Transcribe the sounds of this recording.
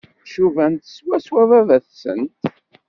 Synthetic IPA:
ʃuvænt̪swæswævævæθsə̰nt̪

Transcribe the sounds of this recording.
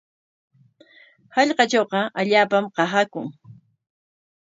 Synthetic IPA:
hɑʎqɑt͡ʃowqɑʔaʎaːpamqɑɦakʊŋ

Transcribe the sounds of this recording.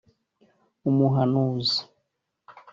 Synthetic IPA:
umuɦanuzi̥

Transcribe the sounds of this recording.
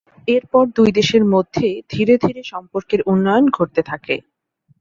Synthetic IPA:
eɾpɔɾd̪ujd̪eʃeɾmod̪ʱːed̪ʱiɾed̪ʱiɾeʃɔmpoɾkeɾunːɔjonɡʱoɾt̪et̪ʰakḛ

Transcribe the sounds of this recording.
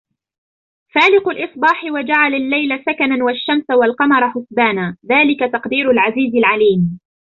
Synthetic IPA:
faːlɪqʊlʔɨsˤbɑːħɪwad͡ʒaʕalalːajlasakananwaʃːamsawalqɑmɑɾˤɑħʊsbaːnaːðaːlɪkat̪ɑqd̪iːɾʊlʕaziːzɪlʕaliːm

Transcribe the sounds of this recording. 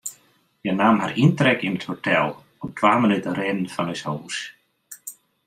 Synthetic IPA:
jɛɣnaːmhaɾint̪ɾɛkɪnt̪hɔt̪ʰɛl | ɔɣt̪ʰvaːmanɪt̪aɾeːnnfalɛsoːwu̥s

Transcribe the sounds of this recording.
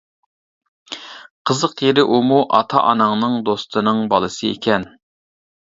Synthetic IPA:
qʰəzəqjeɾɪʔumuʔɑt̪ʰɑ̰ʔɑnɑŋnɨŋd̪ost̪ʰɨnɨŋbɑlˠɨsɨḛkʲʰɛn

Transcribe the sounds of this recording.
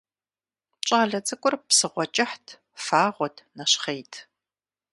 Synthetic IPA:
t͡ʃʼaːɮɐt͡sʼɐkʷʼʊrpsɨʁʷɔt͡ʃʼɪħtʰ | faːʁʷɔtʰnɐɕχejtʰ

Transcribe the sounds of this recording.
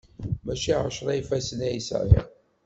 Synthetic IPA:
mæʃiʕəʃɾˤæjfæsənæjsʕḭ

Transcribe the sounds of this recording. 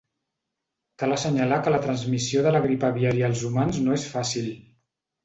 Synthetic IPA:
k̪aləsəɲəlakələt̪ɾənzmisioðələɣɾipəβiaɾiaːlˠzumanznoesfasil

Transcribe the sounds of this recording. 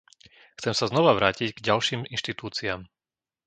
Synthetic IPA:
xt͡sɛmsaznɔʋaʋɾaːcicɡɟalʃiːminʃt̪it̪uːt͡siaːm

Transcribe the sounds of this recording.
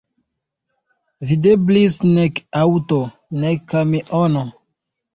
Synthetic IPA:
videblisnekawto | nekːamiʔono

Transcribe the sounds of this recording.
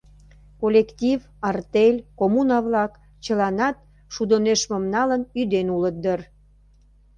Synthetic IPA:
kolʲekt̪ʲiv | ɑrt̪elʲkomunɑβlɑk | t͡ɕəlɑnɑt̪̚ | ʃud̪oneʃməmnɑlənyd̪enulət̪̚d̪ər

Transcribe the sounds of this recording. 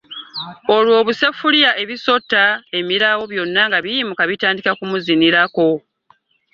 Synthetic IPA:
o̞lwo̞ːβusefulijaʔe̞βiso̞tːae̞miɾawo̞βjo̞nːaŋɡaβijimukaβitaːndikakumuziniɾako̞

